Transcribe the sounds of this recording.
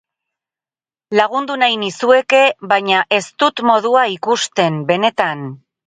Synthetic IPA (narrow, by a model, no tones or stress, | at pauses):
laɣ̞und̪unajnisue̞ke̞βajɲaʔe̞st̪ut̪mo̞ð̞uaikust̪e̞mbe̞ne̞t̪an